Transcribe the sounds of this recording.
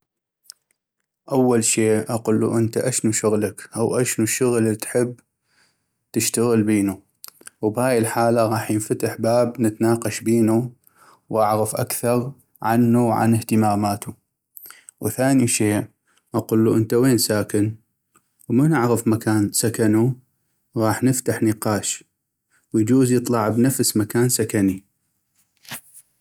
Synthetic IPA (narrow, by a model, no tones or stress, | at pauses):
ʔawːalʃeːʔʔaqʊlːṵʔɪnt̪aʔaʃnuʃʊɣlakʔawʔaʃnuʃʊɣlt̪ħɪbː | t̪ɪʃt̪aɣəlbiːnu | wbhaːjɪlħaːlaɣɑːħjɪnfat̪əħbaːbnət̪naːqɑʃbiːnu | wʔaʕɣafʔakθɑɾˤ | ʕanːuwʕa̰nəht̪əmaːmaːt̪u | wθaːniʃeːʔ | ʔɑqulːuʔənt̪aweːnsaːkɪn | wmanɪʕɣafmakaːnsakanu | ɣɑːħnɪft̪aħnəqɑːʃ | wjd͡ʒuːzjɨt̪ˤlɑʕbnafsmakaːnsakani